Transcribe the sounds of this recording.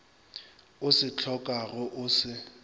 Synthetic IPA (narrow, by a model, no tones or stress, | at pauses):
ʊsɪt͡ɬʰɔkʼaɣʊʔʊsɪ